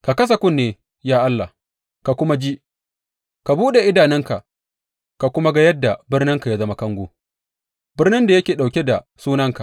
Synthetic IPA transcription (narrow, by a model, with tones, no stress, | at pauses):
ka˨kɐ˦s̬a˨kʷʊ˦˨nːeː˦ | jaː˦ʔa˦lːa˨ | ka˨kʷʊ˦ma˦d͡ʒi˦ʔ | ka˨buː˦ɗe˨ʔɪ˦daː˨nɪ˦ŋka˨ | ka˨kʷʊ˦ma˦ɡa˦jɐ˦dːa˨bɪ˦rnɪ˦ŋka˨ja˦zɐ˦ma˦kɐ˦ŋɡʷoː˦ | bɪ˦rnɪ˦nda˨jɐ˦kʲeː˨ɗa˨wkʲe˦da˨ | suː˦nɐ˦ŋka˨ʔ